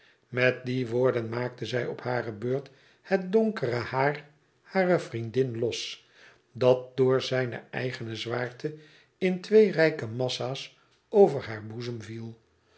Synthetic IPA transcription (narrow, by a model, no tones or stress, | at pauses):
mɛt̚diʋʊːɹdənmaːk̚təzɛjɔphaːrəbøːɹt | hɛt̚dɔŋkərəhaːr | haːrəvrindɪnlɔs | dɑt̚dʊːɹzɛjnə̰ɛ̰jχənəzʋaːɹtʰə | ɪntʋejrɛjkəmɑsaːs | owvəɹɦaːɹbuzəmvilˠ